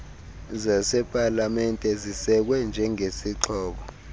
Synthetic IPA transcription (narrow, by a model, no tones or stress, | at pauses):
zasɛpʼalamɛntʼɛzisɛk̬wɛnd͡ʒʱɛŋesiǃʰɔːɓɔ